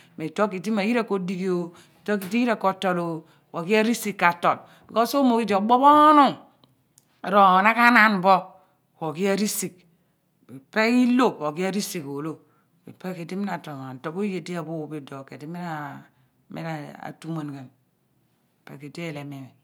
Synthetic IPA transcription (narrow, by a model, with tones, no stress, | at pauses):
me˨to˦ki˨ti˦ma˨ji˦ɾa˦ko˨di˦˨ki˦o˨ | to˦ki˨ti˦ji˦ɾa˦ko˨to˨lo˨ | ko˨ki˦a˦ɾi˦si˦kːa˨to˨t | bi˨ko˦so˦mo˨ki˦d͡ʒe˨o˨ɡ͡bo˦bo˦nu˦ŋ˨ | ɾo˨na˦ka˦na˦n˨bo˦ | ko˨ki˦a˦ɾi˦si˨k̚ | be˨pe˦i˦lo˦˨po˨ki˦a˦ɾi˦si˨ko˨lo˦ | bḛ˨pe˦ke˨ti˦mi˦na˨to˨ŋa˨to˨bo˦je˨di˦a˨bo˦˨be˨do˨ke˨di˦mi˦na˨ | mḛ˦na˨a̰˨tu˦ma˨nɡɛ˨n˨ | pe˨ke˨de˦˨le˨me˨me˨